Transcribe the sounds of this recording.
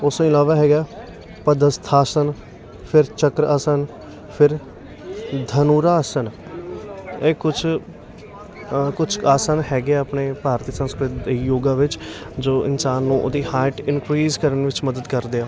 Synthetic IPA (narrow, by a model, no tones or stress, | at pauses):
ʊsɪlaːʋaːɦɛːɡaː | pəd̪əst̪ʰaːsən | pʰɪɾt͡ʃəkɾaːsən | pʰɪɾ | d̪ʱənuːɾaːsən | eːkʊt͡ʃʰ | kʊt͡ʃʰaːsaːnhɛːɡeaəpneːpaːɾt̪iːsə̃nskɾɪt̪̚d̪iːjoːɡãːʋɪt͡ʃd͡ʒoːʔɪ̰nsaːnːũːʔd̪iːhaːɪʈɪnkɾiːzkəɾəɳʋɪt͡ʃməd̪əd̪kəɾd̪eːaː